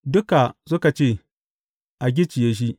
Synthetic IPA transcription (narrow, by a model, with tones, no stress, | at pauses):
dʊ˦ka˨sʊ˦ka˨t͡ʃeː˦˨ | ʔa˨ɡ̬ʲɪ˦t͡ʃɪ˨jeː˦ʃ̬i˦ʔ